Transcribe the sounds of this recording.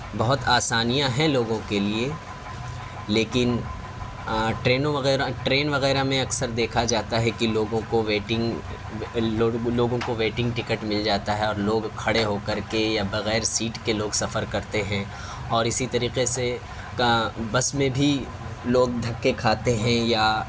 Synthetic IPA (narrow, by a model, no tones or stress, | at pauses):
bɐɦʊt̪aːsaːnijãɦɛ̃loːɡõkelie | leːkɪn | ʈɾeːnõʋɐɣɛːɾaʈɾeːnʋɐɣɛːɾamẽɐksəɾd̪eːkʰad͡ʒaːt̪aɦɛkiloːɡõkoʋeːʈɪ̃ŋɡ | oloːɡõkoʋeːʈɪ̃ŋɡʈɪkəʈmɪld͡ʒaːt̪aɦɛɔːɾloːɡkʰɐɽeɦokɐɾkejabɐɣɛːɾsiːʈkeloːɡsɐfəɾkɐɾt̪eɦɛ̃ | ɔːɾɪsit̪ɐɾiːqese | bɐsmẽbʱi | loːɡ̚d̪ʱɐkːekʰaːt̪eɦɛ̃ja